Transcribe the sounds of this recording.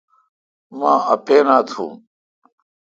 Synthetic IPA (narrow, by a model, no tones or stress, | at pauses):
mãːɐpeːnaːt̪ʰṵ̃ː